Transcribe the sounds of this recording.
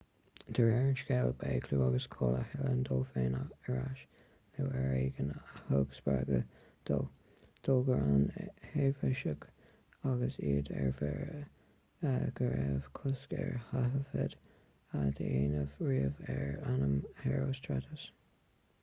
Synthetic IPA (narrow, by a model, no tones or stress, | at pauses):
d̪̥əɹɛɹnt͡ʃɡɛlbeːkʰluːaɡəskʰolə̰hɛlənd̪oːfeːnaəɹaʃ | lewɛɹeːɡənhoɡsb̥aɡə | d̪̥oː | d̪̥oːɡəɹanhevəʃək | aɡəsiːd̪ɛɹfɛ | ɡ̥əɹɛv̥kʰʊskɛɹhaɦəfɛd̥ | ad̪əiːnəvɹiːəvɛɹanəmhɛɹoːstʰɹatəs